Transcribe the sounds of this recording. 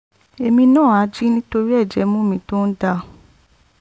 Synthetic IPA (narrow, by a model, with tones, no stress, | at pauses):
e˨mĩ˧nãː˦˨a˨˧˦d͡ʒi˦nĩ˦to˧ɾi˦ɛ˦˨d͡ʒɛ˨˦mũ˦˨mĩ˧to˦n̩˦da˧